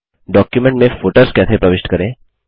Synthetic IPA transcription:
ɖɔkjumeɳʈmẽfoʈəɾskat̪ʰepɾəʋeʂʈkəɾẽ

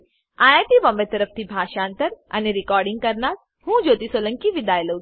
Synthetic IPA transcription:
aːjaːʈ̪iʋɐmbət̪əɾəft̪ʰibʱaːʃaːnt̪əɾɐ̰neɾikɔːɾɖɪŋɡ̚kɐɾnaːs | hũːd͡ʒoːt̪isoːlə̃ŋkiʋid̪aːjlə

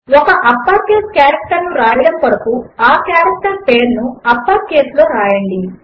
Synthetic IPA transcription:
ɔkɐʔɐpːaːɾkeːskjaːɾɐk̚ʈɐɾnuɾaːjɐɽɐmpɐɽɐkuaːkjaːɾɐk̚ʈɐɾpeːɾnuɐpːaːɾkeːslo̞ːɾaːjɐɳɖi

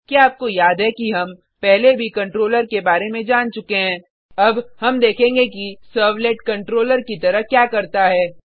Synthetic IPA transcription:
kiaːp̚kojaːd̪ɦɛkiɦɐm | pɛɦlebʱikɐ̃ɳʈɾoːləɾkebaːɾemẽd͡ʒaːnt͡ʃʊkeɦɛ̃ː | ɐbɦɐmd̪eːkʰẽːŋɡekisəːɾʋleːʈkɐ̃ɳʈɾoːləɾkit̪ɐɾəɦkjaːkɐɾt̪aɦɛː

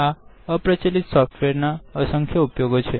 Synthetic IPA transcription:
a | əpɾət͡ʃelit̪sɔfʈʋeɾnaəsəŋkʰjəupjoɡot͡ʃʰe

